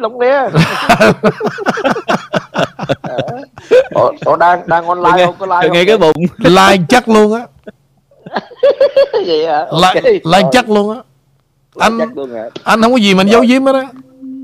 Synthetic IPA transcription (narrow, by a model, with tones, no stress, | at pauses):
lʊ˨˧˦ŋ͡mlɛ˨˧˦ | o˨˧˩t̪o˧˩ɗaː˧ŋɗaː˧ŋʔɔ˧nla˨˧jklaː˧jŋa˧jkaː˨˦ɓʊ̰˨ŋ͡mlaː˧jt͡ɕa˦˥k̚lu˧ənʔaː˨˦ | i˨a˨˧la̰ː˨˩laː˧jt͡ɕa˦˥k̚lu˧ənʔaː˨˦ | ʔa˧ŋ̚˦˧ʔa˧jn̟hə˧wkɔ˨˧˦zi˨˩ma˨ʔa˧nzə˨˦wzi˨˦əmʔa˦˥t̚a˧˦